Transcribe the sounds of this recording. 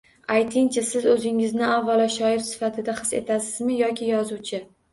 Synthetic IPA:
ajt̪ʰɪŋt͡ʃʰasɪzɵzɪŋɪznɪavːalaʃɒɪɾsɪ̥fat̪ʰɪd̪aχɨse̞̰t̪ʰasɪzmɪjɒkʲʰɪjɒzuwt͡ʃʰɪ

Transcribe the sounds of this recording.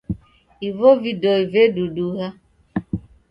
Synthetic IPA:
ivovidoiveduduɦa

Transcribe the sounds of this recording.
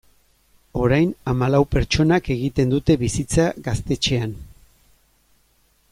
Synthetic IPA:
o̞ɾajnamalawpe̞ɾt͡ʃo̞nake̞ɣ̞it̪e̞nd̪ut̪e̞βisit͡saɣast̪e̞t͡ʃe̞an

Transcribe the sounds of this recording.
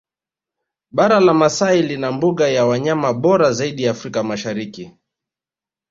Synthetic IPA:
ɓaɾalamasailinambuɠajawaɲamaɓɔɾazaiɗijaːfɾikamaʃaɾiki

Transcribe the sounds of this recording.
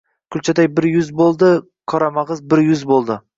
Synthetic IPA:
kʰʊlʲt͡ʃʰad̪ajbɪɾjʊzbolˠd̪ɪ | qʰɒɾɑmɑʁəzbɪɾjʊzbolˠd̪ɪ

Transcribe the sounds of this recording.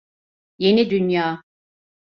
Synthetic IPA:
je̞nid̪ynjaː

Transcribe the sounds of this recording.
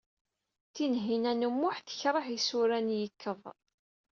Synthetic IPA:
θinɦinænumːʊħθə̥çɾˤəħisuɾænjəkʰːəðˤ

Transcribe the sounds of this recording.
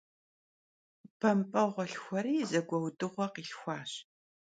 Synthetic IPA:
pʰɐmpʼɐʁʷɔɬxʷɐɾiːzɐɡʷɐwdɨʁʷɔqiːɬxʷɑːɕ

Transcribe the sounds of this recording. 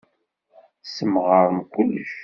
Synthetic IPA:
səmʁəɾˤəmkʷʊlːəʃ

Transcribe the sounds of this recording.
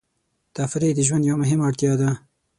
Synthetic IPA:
t̪afɾed̪əʒwand̪jawamʊɦɪmaɽt̪jɑd̪a

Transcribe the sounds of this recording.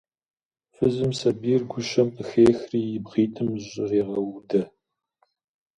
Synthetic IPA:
fɨzɨmsɐbiːrɡʷʊʃɐmɨxeːxriːjɪbʁiːtʰɨmɕʼɪreːʁɐwudɐ

